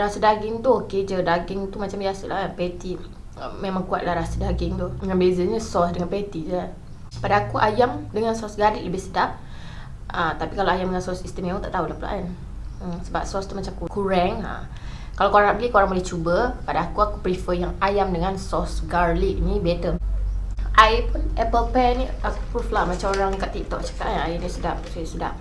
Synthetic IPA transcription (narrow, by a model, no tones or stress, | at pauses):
ɾasədaɡɪŋt̪ʊoked͡ʒədaɡɪŋt̪umat͡ʃamiasulapɛt̪i | memãŋkuat̪̚lahɾasədaɡɪŋt̪ʊəŋanbezəɲəsɔsdəŋanpɛt̪id͡ʒəan | padaakuʔajamdəŋansɔsɡalɪʔləbɪsədaʔ | ʔət̪apikalaajamdəŋansɔsist̪əmeut̪aʔt̪aulahpula̰ʔan | səba̰p̚sɔst̪umat͡ʃamkukuɾɛŋa̰ | kalawkoɾaŋapəɡikoɾaŋbolɛht͡ʃubəpadaːkuakupɾifəjaŋajamdəŋansɔsɡaɾliʔ̚nibet̪ə | ʔaipunɛpəlpɛniaku̥pɾuflahmat͡ʃamoɾaŋkaʔt̪ik̚t̪ɔʔt͡ʃḁkaʔanajinisudasajasudah